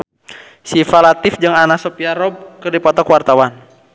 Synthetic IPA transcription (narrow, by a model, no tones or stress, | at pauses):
sifalat̪ɪfd͡ʒɨŋanasɔpiaɾɔb̚kɨrdipɔt̪ɔkwart̪awan